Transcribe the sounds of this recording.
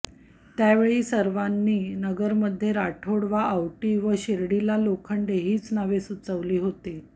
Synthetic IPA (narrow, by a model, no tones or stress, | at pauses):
t̪jaʋeɭiːsəɾʋanːiːnəɡəɾməd̪ʱːjeɾaʈʰoɽʋaawʈiːʋəɕeɾɽilalokʰəɳɖ̪eɦiːt͡snaʋesut͡səʋliːɦot̪e